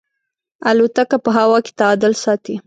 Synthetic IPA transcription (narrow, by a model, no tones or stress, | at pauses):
alot̪akapəɦawɑke̥t̪aːd̪əlsɑt̪i